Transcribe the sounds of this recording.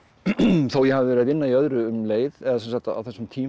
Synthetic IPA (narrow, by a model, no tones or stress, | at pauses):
θowjɛhavɪvɛɾɪat̪ɪnːaiœðɾʏːmleːjðɛðasɛnsakt̪aa̰wθɛsːʏmt̪ʰiː